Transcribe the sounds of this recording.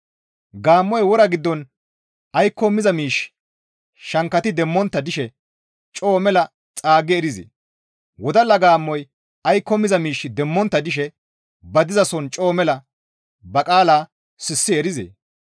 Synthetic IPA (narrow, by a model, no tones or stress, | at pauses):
ɡaːmːɔjwɔɾɐɡɪd̪ːɔn | ɐjkːɔmːɪzɐmiːʃ | ʃɐŋkːɐt̪ɪd̪ɛmːɔnt̪ːɐd̪ɪʃɛ | t͡ʃʼo̞ːmɛlɐ | t͡sʼaːɡɛɛɾɪzḛː | wɔd̪ɐlːɐɡaːmːɔj | ɐjkːɔmɪzɐmiːʃːɪd̪ɛmːɔnt̪ːɐd̪ɪʃɛ | bɐd̪ɪzɐsɔnt͡ʃʼo̞ːmɛlɐ | bɐkʼaːlaː | sɪsːɪɛɾɪzḛː